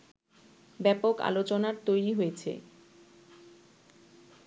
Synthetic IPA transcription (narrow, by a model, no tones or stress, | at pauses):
bɛpoka̰lot͡ɕonaɾt̪ojɾiɦojet͡ɕʰḛ